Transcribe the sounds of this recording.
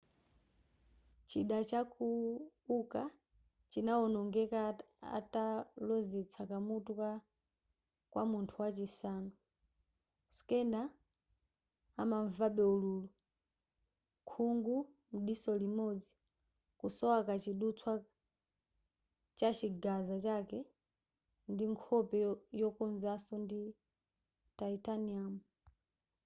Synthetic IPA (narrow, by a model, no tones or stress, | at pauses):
t͡ʃiɗat͡ʃakuuka | t͡ʃinaɔnɔŋɡɛka | a̰talɔzɛt͡sʰakamutuka | kwʔamuntʰuwat͡ʃisaːnɔ | skɛnda | maɱvaɓɛululu | kʰuŋɡu | m̩ɗisɔlimɔd͡zi | kusɔwakat͡ʃiɗut͡sʰwa | t͡ʃat͡ʃiɡazat͡ʃakɛ | ndiŋkʰɔpɛjɔkɔnzasɔndi | taitaniamu